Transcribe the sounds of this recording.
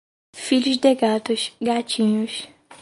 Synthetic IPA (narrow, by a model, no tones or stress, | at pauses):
fiʎʊzd̪eɡat̪ʊʃɡat͡ʃĩɲʊs